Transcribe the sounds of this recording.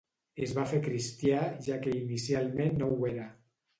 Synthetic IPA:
ezβafekɾist̪jaʒakeinisialˠmẽnːoweɾa

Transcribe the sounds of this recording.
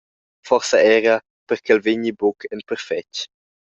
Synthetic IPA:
fɔʁsɐɛɾɐ | pəɾkɛlveɲibokʰɛnpəɾfɛt͡ʃ

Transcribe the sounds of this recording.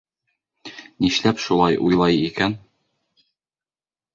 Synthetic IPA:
niʃlæpʃulˠɑjʔujlˠɑjikæn

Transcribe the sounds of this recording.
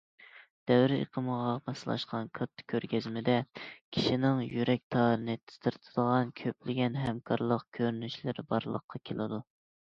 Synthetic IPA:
d̪̥ɛwɾɪḛqʰəməʁɑmɑsɨlˠɑ̰ʃqʰɑnkʰɑt̪ʰːkʲʰːøɾɡʲɛzmɪd̪ɛkʲʰi̥ʃinɪŋjyɾɛk̚ʲt̪ʰɑːɾɨnɨt̪ʰɨ̥st̪ɨɾt̪ʰɨ̥d̪̥əʁɑnkʲʰøplɪɡʲɛnɦɛmkʰɑɾlˠəqkʲʰøɾnyʃlɪɾbɑɾlˠə̰qʰːɑkʲʰelˠɨd̪u

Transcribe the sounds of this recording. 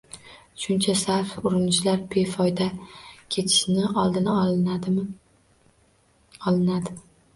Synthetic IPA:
ʃʊnt͡ʃʰasaɾfʊɾɪnɪt͡ʃlaɾbe̞fɒjd̪akʲʰe̞t̪ʰɪ̥ʃnɪɒlˠd̪ɪna | ɒlˠɪnad̪ɪ

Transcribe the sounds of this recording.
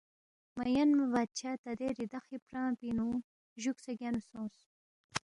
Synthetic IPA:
mɐjɐnmɐvad̪̚t͡ʃʰaːt̪ɐd̪eɾid̪ɐxipɾɑ̃ːpinu | ʒuksɐɡʲanusõːs

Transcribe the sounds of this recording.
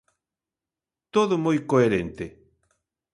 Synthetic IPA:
t̪oðʊmojkoeɾent̪e

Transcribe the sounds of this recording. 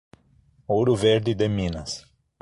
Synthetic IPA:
owɾʊveɾd̪ɪd̪emĩnɐs

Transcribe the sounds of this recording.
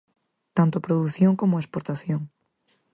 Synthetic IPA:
t̪ãnt̪ʊɐpɾoðuθjõŋkomʊɐespoɾt̪aθjõŋ

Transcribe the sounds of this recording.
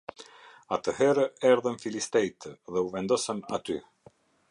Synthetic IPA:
at̪əhɛɾəɛɾðənfilist̪ɛjt̪ðɛuvɛnd̪ɔsənat̪y

